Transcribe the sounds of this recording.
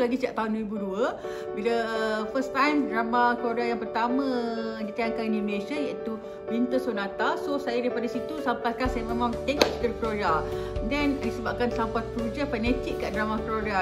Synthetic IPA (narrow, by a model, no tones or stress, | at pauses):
laɡisəd͡ʒaʔ̚t̪aɦundəɾibuduə | biləfəst̪ãjmdɾamãkloɾajaŋpərt̪amə̃dit̪ajaŋkaninĩndulesjajaʔit̪u | bint̪əsonat̪asosajadaipadasit̪usampajkansajamẽmãŋt̪eŋɔʔt͡ʃik̪ərklodadɛnaisəbap̚kansampat̪̚klud͡ʒafanɛt̪ikːaʔdɾamakɾoda